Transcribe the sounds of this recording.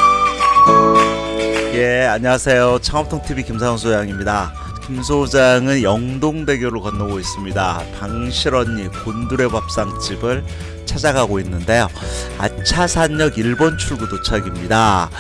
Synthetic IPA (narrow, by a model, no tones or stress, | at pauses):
je̞aɲʌwasʰe̞jot͡ɕʰaŋʌp̚tʰoŋtʰibikimsʰaŋs̬ʰojaŋimɲida | kims̬ʰod͡ʑaŋɯnjʌŋdoŋde̞ɡjoɾɯɭkʌnːʌɡois͈ɯmɲidapaŋɕʰiɾʌɲːikonduɾe̞bap̚s͈aŋt͡ɕ͈ibɯɭ | t͡ɕʰad͡ʑaɡaɡoinːɯnde̞joa̰t͡ɕʰasʰaɲːʌɡiɭbont͡ɕʰuɭɡutot͡ɕʰaɡimɲida